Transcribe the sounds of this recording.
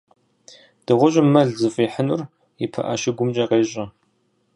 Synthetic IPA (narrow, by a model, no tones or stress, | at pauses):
d̥ɨʁʷʊʑʷʼɪmːɐɮzɨfʼiːħənʊr | ɪpʰɐ̰ʔɐʃɪɡʷʊmt͡ʃʼɐqeːɕʼɐ